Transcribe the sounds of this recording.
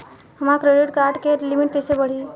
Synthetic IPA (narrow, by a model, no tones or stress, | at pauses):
əmakɾeɖiʈkaɾʈkeɾlimiʈt̪isebəɽ̤iː